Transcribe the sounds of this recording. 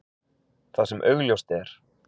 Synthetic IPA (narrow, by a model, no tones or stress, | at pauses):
θasɛmʔœɥɣljowst̪ɛɾ̥